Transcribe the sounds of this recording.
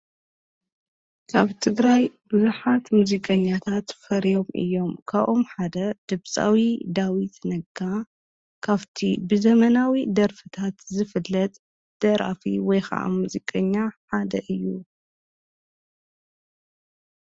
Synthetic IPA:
kʰaβt̪ʰɨɡɾajbɨzuħat̪muzikʼɐɲːat̪ʰat̪fɐɾjo̞mʔɨ̰jːo̞mkʰaβʔomħad̪ɐd̪̥ɨβt͡sʼa̰wid̪awit̪nɐɡa | kʰaβt̪ʰibɨzɐmɐnawid̪ɐɾfɨt̪ʰat̪zɨfɨlːɐt̪ʼ | d̪̥ɐɾa̰fḭwɔjxa̰ʔa̰muzikʼɐɲːaħad̪ɐʔɨjːu

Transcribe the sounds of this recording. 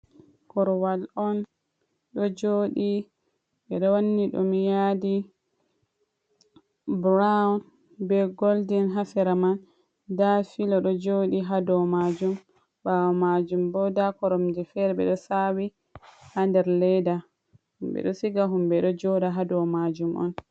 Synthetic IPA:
kɔɾɔwalɔn | ɗɔd͡ʒoːɗi | ɓɛɗɔwanːiɗɔ̰mijadi | bɾan | bɛɡoldinɦafɛɾaman | dafilɔɗɔd͡ʒoːɗiɦadɔmad͡ʒum | bawɔmad͡ʒumbɔdakɔɾɔmd͡ʒɛfɛɾɛbɛɗɔsawi | handɛɾlɛjda | humɓɛ̰ɗɔsiɡaɦumbɛɗɔd͡ʒɔdaɦadɔwmad͡ʒumʔɔ̰n

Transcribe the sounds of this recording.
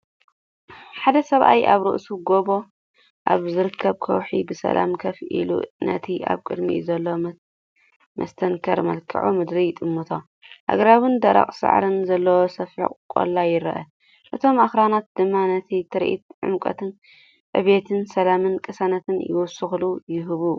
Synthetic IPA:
ħad̪ɐsɐβʔa̰jʔaβɾɨ̰ʔsuɡo̞bo̞ | ʔa̰βzɨɾɨkʰːɐβkʰɐ̰wħḭbɨsɐ̰la̰mkʰɐfʔḭlṵnɐ̰t̪ʰiʔa̰βkʼɨd̪mḭzɐlːo | mɐ̰st̪ʰɐŋkʰɐɾmɐ̰lkʰɐ̰ʕumɨd̪ɾijt̪ʼɨmːɨt̪ʰo | ʔa̰ɡɾawɨnd̪ɐɾa̰qʼsɨ̰ʕɾɨnzɐlːɐwosɐfħḭkʼkʼːo̰lːajɪɾɐ̰ʔɐ | ʔɨt̪ʰo̞mʔaxɾanat̪̚d̪ɨmːanɐt̪ʰit̪ʰɨɾʔḭt̪̚ʕʊ̰mkʼɐ̰t̪ʰɨn | ʔɨβet̪ʰɨnsɐlamɨnkʼɨsɐnɐt̪ʰɨnjɪ̰wʊsɨxɨlujɪɦɨβu

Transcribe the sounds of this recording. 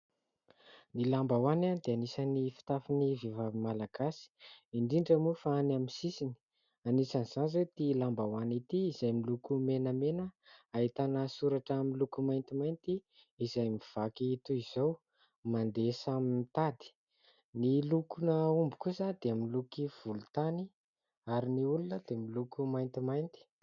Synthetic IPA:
nilambawananid̪eanisanifi̥t̪afinivevavimalaɡasi̥iɳɖ͡ʐiɳɖ͡ʐəmufaanamisisini̥ | anisaniz̥anzet̪ilambawanit̪iːzajmilukumenəmenəait̪anəsuɾaʈ͡ʂamilukumajnt̪imajnt̪iː | zajmiv̥akiit̪uiz̥ow | mand̪esaminit̪ad̪i̥ | nilukunəumbu̥kuzand̪̥eaminlukiv̥ulut̪ani | aɾiniulunəd̪̥emilukumajnt̪imajnt̪i̥

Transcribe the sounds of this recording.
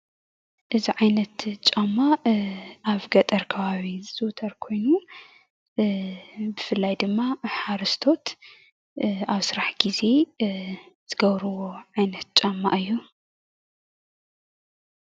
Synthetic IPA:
ʔɨziʕajnɐt̪t͡ʃʼamːa | aβɡɐt̪ʼɐɾkʰɐβaβizɨt̪ʰɐɾkʰo̞jnu | bɨfɨlːajd̪ɨmːaħaɾɨst̪ʰo̞t̪ | aβsɨɾaħɡize̞ | z̥ɨɡɐβɾɨwo̞ʕajnɐt̪̚t͡ʃʼamːa̰ʔɨjːu

